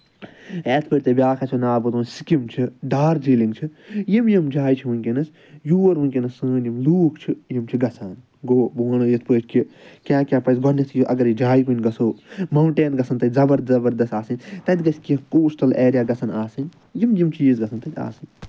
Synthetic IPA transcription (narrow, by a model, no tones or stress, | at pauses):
eːt̪̚ʰpəːɾʲt̪ɐbʲaːkʰɐt͡ʃʰonaːbɐt̪õːnsi̥kimt͡ʃʰiɖaːɾd͡ʒiːliŋɡt͡ʃʰijimjimd͡ʒaːjit͡ʃʰiʋɨnʲkʲinɐs | juːɐɾʋuŋʲkʲinɐsːɨːnjimluːkʰt͡ʃʰijimt͡ʃʰiɡɐsʰaːn | ɡoːboːnɨjɐt̪ʰpɨːt͡ʃʰʲkikʲaːkʲapɐsɡɔnit̪ʰjiʔɐɡɐɾjid͡ʒaːjkunʲɡɐsoːmɐwɳʈeːnɡɐsɐnt̪ɐzɐbɐɾzɐbɐɾd̪ɐst̪aːsɨnʲt̪ɐt̪ʲɡɐskikoːst̪ɐlʔeːɾjaːɡɐsʰɐnaːsɨnʲ | jimjimt͡ʃʰizɡɐsʰɐnt̪ɐt̪ʲa̰ːsɨnʲ